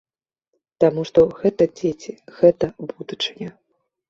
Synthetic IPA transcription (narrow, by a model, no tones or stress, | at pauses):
t̪amuʂt̪ɔɣɛt̪ɐd͡zʲet͡sʲiɣɛt̪ɐbud̪ut͡ʂɨnʲɐ